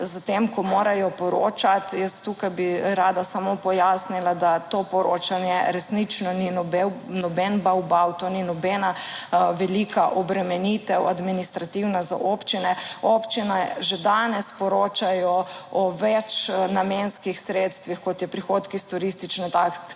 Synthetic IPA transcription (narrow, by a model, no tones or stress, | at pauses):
zat̪emkɔmoːɾajɔpɔɾoːt͡ʃat̪jəst̪t̪ukajbiɾaːd̪asamopɔjaːsnilad̪at̪opɔɾoːt͡ʃanjɛɾɛsnit͡ʃnɔninɔbɛ | nɔbɛnbawbawt̪oninɔbɛnaʋɛlikʰaʔɔbɾɛmɛnit̪ɛwad̪minist̪ɾat̪iwnaza̰ʔoːpt͡ʃinɛoːpt͡ʃinaʒed̪aːnɛspɔɾoːt͡ʃajɔ | ɔʋɛt͡ʃnamenskixsɾet̪st̪ʋixkɔt̪jɛpɾixot̪kist̪uɾist̪it͡ʃnɔt̪ak